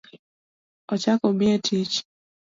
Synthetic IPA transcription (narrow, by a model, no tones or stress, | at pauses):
ɔt͡ʃakɔmɪɛtʰit͡ʃ